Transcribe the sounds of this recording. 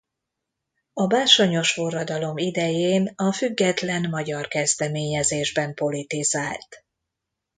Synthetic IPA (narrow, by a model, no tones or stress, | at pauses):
ɒbaːʃo̞ɲo̞ʃfo̞rːɒd̪ɒlo̞mid̪ɛjeːnɒfyɡːɛt̪lɛnmɒɟɒrkɛzd̪ɛmeːɲɛzeːʒbɛmpo̞lit̪izaːlt̪